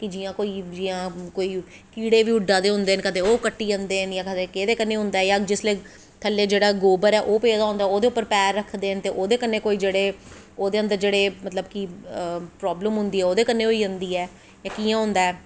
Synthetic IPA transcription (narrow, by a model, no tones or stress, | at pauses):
kɪd͡ʒiːjãːkoːiːd͡ʒiːãːkoːiː | kiːɽeːʋiːʊɖːaːd̪eːɦʊ̃nd̪eːnkət̪eːoːkəʈːiːənd̪eːɦnjãːkət̪eːkeːd̪eːkənːeːɦʊ̃nd̪aːɛjaːd͡ʒɪsleː | t̪ʰəlːeːd͡ʒeːɽaːɡoːbəɾɛːʔoːpeːd̪aːɦʊ̃nd̪aːɛoːd̪eːʊpːəɾpɛːɾːəkʰd̪eːənt̪eːʔoːd̪eːkənːeːkoːiːd͡ʒeːɽeː | oːd̪eːənd̪əɾd͡ʒeːɽeːmət̪ləbkiːpɾɔːbləmɦʊnd̪iːɛːoːd̪eːkənːeːoːiːʊnd̪iːɛː | jãːkiːãːɦʊ̃nd̪aːɛː